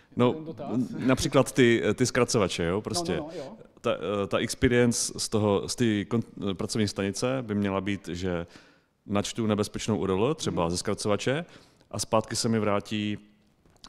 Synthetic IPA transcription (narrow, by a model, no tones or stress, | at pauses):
no | napr̥iːklat̪ːɪt̪ɪskɾat͡sovat͡ʃɛjopɾoscɛt̪a̰t̪aʔɪkspiːɾɪjɛnt͡sst̪oɦost̪ikopɾat͡sovɲiːst̪aɲɪt͡sɛbɪmɲɛlabiːt̪ʒɛ | nat͡ʃt̪unɛbɛspɛt͡ʃnowʔudolut̪r̥ɛbazɛskɾat͡sovat͡ʃɛ | ʔaspaːt̪kɪsɛmɪvɾaːciː